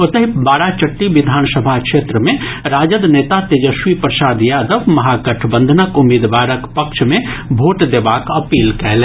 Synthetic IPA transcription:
ot̪əɦibaːɽat͡ʃəʈːiʋid̪ʱansəbʱakʃʰet̪ɾəme | ɾaːd͡ʒəd̪net̪at̪ed͡ʒəsʋipɾəsaːd̪jad̪əbmɐɦakəʈʰbənd̪ʱənəkumːiːd̪ʋaɾəkpəkʃʰmebʱoʈd̪ebakəpiːlkɛl

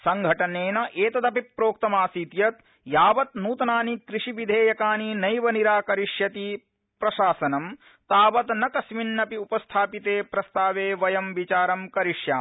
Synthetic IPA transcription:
sɐŋɡʱɐʈɐneːnɐʔeːt̪ɐd̪ɐpipːɾoːk̚t̪ɐmaːsiːt̪jɐt̪ | jaːʋɐt̪̚nuːt̪ɐnaːnikɾiʂiʋid̪ʱeːjɐkaːninɐjʋɐniɾaːkɐɾiʂjɐt̪i | pɾɐʃaːsɐnɐm | t̪aːʋɐt̪nɐkɐsminːɐpiupɐst̪ʰaːpit̪eːpɾɐst̪aːʋeːʋɐjɐmʋit͡ʃaːɾɐmkɐɾiʂjaː

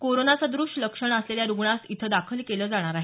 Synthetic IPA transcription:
koɾonat͡sad̪ɾuʂləkʂəɳəsleljaɾuɡɳasit̪ʰəd̪akʰəlkeləːd͡zaɽ̃aɾaɦe

